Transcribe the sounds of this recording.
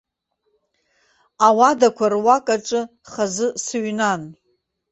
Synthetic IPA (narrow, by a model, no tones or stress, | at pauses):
awadakʷʰarwakʼaʈ͡ʂʼɨ | χazɨsɨɥnan